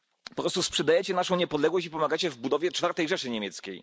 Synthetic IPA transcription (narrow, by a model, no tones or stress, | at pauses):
pɔpɾɔst̪uspʂɛd̪ajɛt͡ɕɛnaʂɔ̃w̃ɲɛpɔd̪lɛɡwɔɕt͡ɕipɔmaɡat͡ɕɛvbud̪ɔvʲjɛt͡ʂfaɾt̪ɛjʐɛʂɘɲemʲjɛt̪skʲḛj